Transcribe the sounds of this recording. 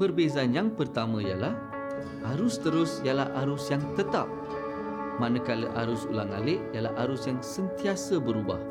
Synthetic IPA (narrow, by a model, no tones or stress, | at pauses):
pərbezanjaŋpərt̪amãija̰lah | aɾʊst̪əɾʊsijalahaɾʊsjaŋt̪ət̪a̰p̚ | mãnəkalə̰ʔa̰ɾʊsṵlaŋa̰lɪʔjalahaɾʊsjaŋsənt̪iasəbəɾuba̰h